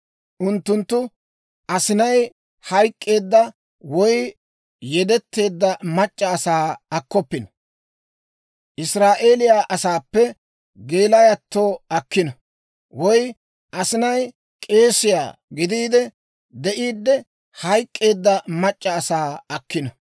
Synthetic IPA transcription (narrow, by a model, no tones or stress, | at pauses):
ʔʊnt̪ːʊnt̪ːʊ | ʔɐsɪnɐj | hɐjkʼːe̞ːd̪ːɐ | wɔj | jɛd̪ɛt̪ːe̞ːd̪ːɐmɐt͡ʃʼːɐːsaːɐkːɔpːɪnɐ | ʔɪsɾaːʔeːlɪjaːʔɐsaːpːɛ | ɡe̞ːlɐjɐt̪ːo̞ːɐkːɪnɐ | wɔj | ʔɐsɪnɐj | kʼe̞ːsɪja̰ːɡɪd̪iːd̪ɛ | d̪ɛʔiːd̪ːɛ | hɐjkʼːe̞ːd̪ːɐmɐt͡ʃʼːɐːsaːɐkːɪnɐ